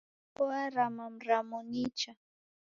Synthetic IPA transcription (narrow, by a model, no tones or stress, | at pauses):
waɾamamɾamʊnɪt͡ʃa